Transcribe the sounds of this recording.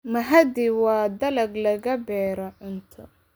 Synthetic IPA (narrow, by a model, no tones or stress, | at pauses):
mɐɦɐd̪iwɑːd̪ɐlɐɡlɐɣɐbɛːɾɐʔɪnt̪ʰɐ